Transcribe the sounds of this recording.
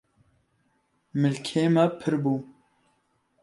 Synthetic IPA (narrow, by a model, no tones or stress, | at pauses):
mɨlkʰeːmɛpʰɨɾbuː